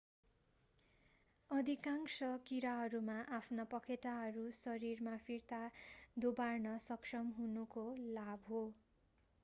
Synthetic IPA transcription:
ʌd̪ʱikaŋsʌkiɾaɦʌɾumaʔapʰnʌpʌkʰet̪aɦʌɾusʌɾirmapʰirt̪ad̪obarnʌsʌksʌmɦunukolabʱɦo

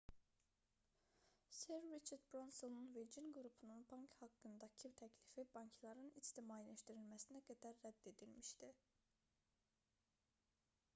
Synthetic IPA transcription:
seɾːit͡ʃʰeɾd̪̚bɾonsonunved͡ʒinɡuɾupʰununbɑŋkʰhɑkːɯnd̪ɑcʰɯt̪ʰæcʰlifibɑncʰlˠɑɾɯnist̪imɑːlæʃt̪iɾilmæsinæɡæd̪æɾːæd̪ːe̞d̪ilmiʃt̪i

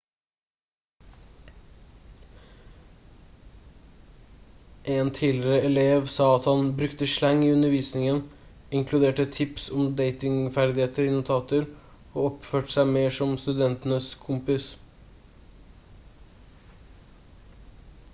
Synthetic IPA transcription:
ʔeːnt̪ʰiːlɪɾəɛleːʋsɑːɑt̪hɑnbɾʉkt̪əʂlæŋːiːʉnəʋiːsnɪŋən | ɪŋkʰlʉd̪eːʈət̪ʰɪpsɔmd̪eɪt̪ɪŋfæɾd̪ɪheːt̪əɾɪnʊt̪ʰɑːt̪əɾ | oːɔpføːʈə̥sæɪmeːʂɔmst̪ʉd̪ɛnt̪nəskʰʊmpɪs

